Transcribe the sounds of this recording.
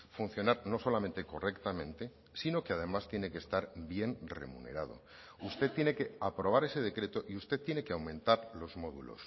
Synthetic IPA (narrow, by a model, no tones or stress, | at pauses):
fun̟θjonaɾno̞so̞lament̪e̞ko̞re̞kt̪amẽ̞nt̪e̞ | sino̞keað̞e̞mast̪je̞nekest̪aɾbje̞nre̞̰mṵne̞̰ɾað̞o̞̰ | ust̪et̪ːje̞ne̞ke̞apɾoβ̞aɾe̞se̞ð̞e̞kɾe̞t̪oʔiust̪e̞t̪ːje̞nekeawmẽ̞nt̪aɾlo̞zmo̞ðulo̞̰s